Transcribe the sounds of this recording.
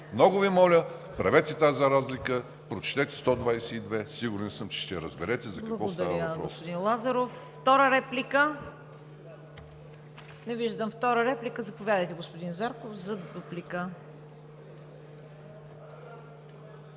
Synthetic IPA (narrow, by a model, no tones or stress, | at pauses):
mnɔɡʊvimɔlʲəpɾɛvɛt̪ɛt̪azɐɾazlikə | pɾot͡ʃt̪ɛt̪ɛ̥st̪ɔd̪vajsɛid̪vɛsiɡʊɾɛnsəmt͡ʃɛ̥ʃt̪ɛɾəzbɛɾɛt̪ɛzɐkblkɐɐɡvɔostd̪ɐavɾəəvɐppɾɔo̰spod̪inlˠazɐɾofːt̪ɔɾəɾɛplikə | nɛviʒd̪əmft̪ɔɾəɾɛplikəzɐpovʲjad̪əjt̪ɛɡospod̪inzaɾkofzɐd̪ʊplikə